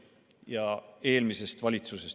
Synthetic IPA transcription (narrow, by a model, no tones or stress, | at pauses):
jɑe̞ːlmise̞st̪vɑlʲit̪suse̞s